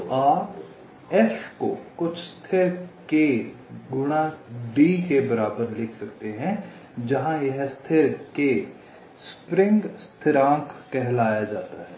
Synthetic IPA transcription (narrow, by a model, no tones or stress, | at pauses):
t̪oʔaːp | ɛʃkokʊt͡ʃʰst̪ʰɪɾkeɡʊɽ̃aɖiːkebɐɾaːbəɾlɪkʰsɐkt̪eɦɛ̃ | d͡ʒɐɦãjɐɦst̪ʰɪɾke | spɾɪ̃ŋɡst̪ʰɪɾãːkːɛɦlaːjad͡ʒa̰ːt̪aɦɛː